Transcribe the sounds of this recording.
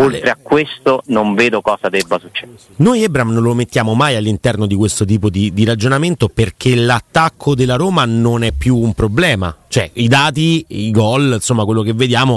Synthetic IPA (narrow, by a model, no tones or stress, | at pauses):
olt̪ɾeakːwest̪onoɱveːd̪okɔːsad̪ɛbːasut͡ʃːɛ | nojɛbɾamnõnlomet̪ːjaːmomajalːint̪ɛrnod̪ikwest̪ot̪̬iːpod̪id̪iɾad͡ʒonament̪operk̟elat̪ːakʰːod̪elːaɾoːmanonɛpːjuːmpɾoblɛːma̰t͡ʃoɛid̪aːt̪iiɡɔlnsomːakwelːok̟evːed̪jaːmo